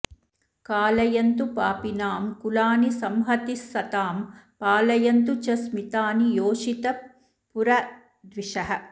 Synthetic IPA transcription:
kaːlɐjɐnt̪upaːpinaːmkulaːnisɐmɦɐt̪isːɐt̪aːmpaːlɐjɐnt̪ut͡ʃɐsmit̪aːnijoːʂit̪ɐ | puɾɐ | d̪ʋiʂɐɦɐ̆

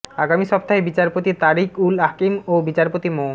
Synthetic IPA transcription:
aɡamiʃɔp̚t̪aɦebit͡ɕaɾpot̪it̪aɾikulakimobit͡ɕaɾpot̪imo

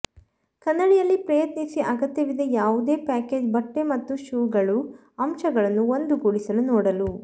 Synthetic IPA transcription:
kɐnːɐɽijɐlːipɾɐjɐt̪nisiʔɐɡɐt̪jɐʋid̪ejaːʋud̪e̞ːpaːkeːd͡ʒbɐʈːe̞mɐt̪ːuʃuːɡɐɭu | ɐmʃɐɡɐɭɐnːuond̪uɡoːɭisɐlunɔːɽɐlu

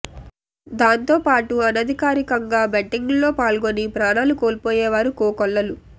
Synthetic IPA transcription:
d̪aːnt̪o̞ːpaːʈuɐnɐd̪ʱikaːɾikɐŋɡaːbɐʈːiŋɡlo̞ːpaːlɡonipɾaːnaːlukoːlpoːjɛːʋaːɾukoːkɔlːɐlu

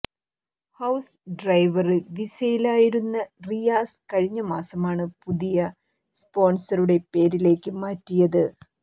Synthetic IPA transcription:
hɐws | ɖrɐjʋɐriʋisɐjilaːjiɾunːɐrijaːskɐɻiɲːɐmaːsɐmaːɳɨpuðijɐ | spo̞ːnsɐruɽe̞pe̞ːɾile̞ːkːɨmaːtːijɐðɨ

